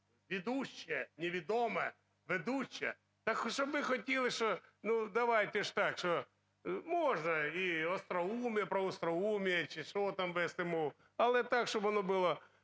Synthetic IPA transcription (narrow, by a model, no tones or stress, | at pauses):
ʋʲɪd̪uɕːɪjɛnʲɪʋʲɪd̪omɐjɛ | ʋɪd̪uɕːɪɛ | t̪ɐkʃobɪxɐt̪ʲilˠɪʃtonud̪ɐʋajtʲɪʂt̪akʂt̪o | moʐnɐiɐst̪ɾɐumʲjpɾɐɔst̪ɾɐumʲɪjɛt͡ʃɪʂot̪amʋɛsɪmu | ɐlˠɛt̪akʂt̪obɐnobɨlˠɐ